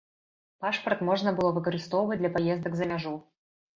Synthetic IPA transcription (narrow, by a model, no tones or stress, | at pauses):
paʂpərt̪moʐnəbɨlˠovɨkəɾʲɪst̪ovʊvət̚ʲd̪lʲapɐjezd̪əkzɐmʲaʐu